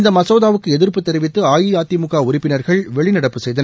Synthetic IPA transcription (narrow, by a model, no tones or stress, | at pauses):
nd̪ɐmɐsoːðaːʋɯkːɯɛðɪɾpɯt̪ːɛɾɪʋɪt̪ːɯaːjijaːt̪ːimʊɣaːʊɾɪpːɪnɐɾɣɐɭʋɛɭɪnɐɽɐpːɯsɛjðɐnɐ